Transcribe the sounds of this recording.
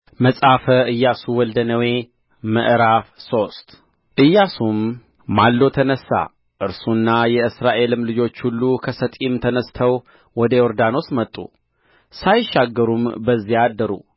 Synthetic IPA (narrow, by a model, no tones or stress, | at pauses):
məsʼafəɨjːasuwɔld̪ənəwe̞ | mə̰ʔɾafso̞st̪ | ʔɨjːasum | malːo̞t̪ʰənəsːa̰ | ʔɨɾsunːajɛɨsɾaʔe̞lɨmlɨd͡ʒo̞t͡ʃːhulːukʰəsət̪ʼimt̪ʰənəst̪ʰəw | wɔd̪əjoɾd̪ano̞smət̪ʼːṵ | sajʃːaɡːəɾumbəzːiad̪ːəɾṵ